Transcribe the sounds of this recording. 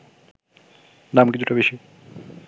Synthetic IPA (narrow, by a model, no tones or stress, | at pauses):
namkit͡ɕʰuʈabeʃi